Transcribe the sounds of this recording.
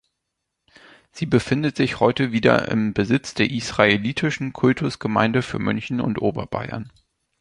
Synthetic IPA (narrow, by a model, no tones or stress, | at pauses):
z̥iːbəfɪndətz̥ɪçhɔʏtəviːdɐ̰ʔɪ̰mbəzɪt͡sd̥eːɐʔisʁ̥aeliːtʰɪʃn̩kʰʊltʰʊsɡ̥əma̰ɪndəfyːɐmʏnçn̩ʊ̰ntʔoːbɐ̰ba̰ɪɐ̰n